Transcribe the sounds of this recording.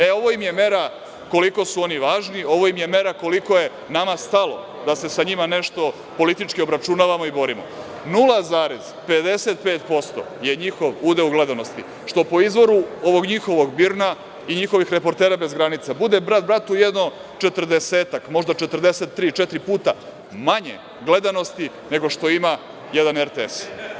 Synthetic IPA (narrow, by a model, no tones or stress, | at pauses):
eo̞ʋoimje̞me̞ɾa | ko̞liko̞suo̞niʋaːʒnio̞ʋo̞imje̞me̞ɾako̞liko̞je̞ | namast̪alˠo̞̰ | d̪ase̞saɲimane̞ʃt̪o̞ | po̞lit̪it͡ʃkio̞bɾat͡ʃunaːʋamo̞ibo̞ɾimo̰ | nulˠazaːɾez̥ped̪e̞se̞t̪̚peːt̪po̞st̪o̞̰je̞ɲixo̞ʋuːd̪e̞uɡle̞d̪anost̪ḭ | ʃt̪o̞po̞izʋo̞ɾuo̞ʋo̞ɡɲixo̞ʋo̞ɡbiɾna | iɲixo̞ʋixɾe̞po̞ɾt̪eːɾabe̞zɡɾanit̪sabud̪ebɾad̪̚bɾat̪ujed̪no̞ | t͡ʃet̪r̩d̪eseːt̪akmo̞ʒd̪at͡ʃet̪rd̪eset̪ːɾiːt͡ʃɛt̪ɾipuːt̪a | maɲḛ | ɡle̞d̪ano̞st̪i | ne̞ɡo̞ʃt̪o̞ima | jed̪aneɾt̪eḛs